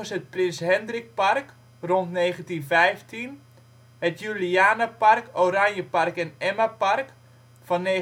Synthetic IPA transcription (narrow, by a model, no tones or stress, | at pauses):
əsət̚prɪnsɦɛndrɪk̚park | rontneːχəntinfɛjftʰin | hətjyliaːnəparkoɾaɲjəparkɛnɛmapark | fɑnːeː